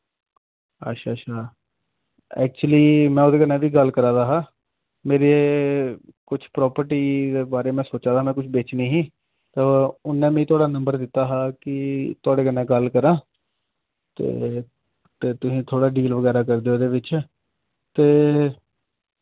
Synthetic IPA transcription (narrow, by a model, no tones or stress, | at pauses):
ə̰ʃʰaːaː | ɛ̰ːk̚t͡ʃuliːmɛ̃ːoːd̪eːkənẽːʋiːɡəlkəɾaːd̪aːɦaː | meːɾeː | kʊt͡ʃʰpɾɔːpəɾʈiːd̪eːbaːɾeːmɛ̃ːsoːt͡ʃaːd̪aːmɛ̃ːkʊt͡ʃʰbeːt͡ʃneːɦĩː | t̪aʊnːẽːmɛ̃ːiːt̪ʊaːɽaːnəmbəɾd̪ɪt̪ːaːɦaːkɪt̪ʊaːɽeːkənẽːɡəlkəɾãː | t̪ḛː | t̪eːt̪ʊsĩːt̪ʰoːɽaːɖiːlʋəɡɛːɾaːk̬əɾd̪eːoːd̪eːʋɪt͡ʃ | t̪eː